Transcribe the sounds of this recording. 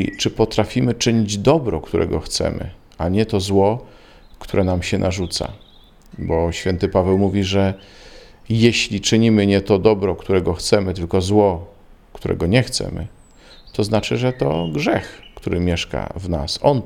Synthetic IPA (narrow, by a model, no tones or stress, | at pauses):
t͡ʂɘpɔt̪ɾafʲimɘt͡ʂɘɲid͡ʑd̪ɔbɾɔkt̪uɾɛ̰ɡɔxt̪sɛ̰mɘ̰ | aɲɛt̪ɔzwɔ | kt̪uɾɛnamɕɛnʔaʐut̪sa̰ | bɔɕfʲjɛnt̪ɘpavɛwmuvʲiʐɛ | jeɕlʲit͡ʂɘɲimɘɲɛt̪ɔd̪ɔbɾɔkt̪uɾɛɡɔxt̪sɛmɘt̪ɘlkɔzwɔ | kt̪uɾʔɛ̰ɡɔɲɛxt̪sɛ̰mɘ̰ | t̪ɔznat͡ʂɘʐɛt̪ɔ̰ɡʐɛxkt̪uɾɘmʲjɛʂka̰vna̰sɔn